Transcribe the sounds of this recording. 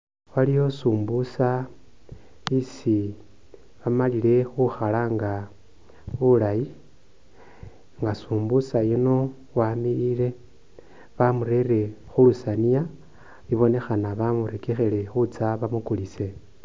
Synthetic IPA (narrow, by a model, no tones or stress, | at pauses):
walijo̞suːmbusa | isi | βamalile̞xuxalaːŋɡa | βulaji | ŋɡasuːmbusajino̞ | wamiɾile̞ | βamuɾe̞re̞xulusanija | iβo̞ne̞xanaβamuɾekexele̞xut͡saβamukulise̞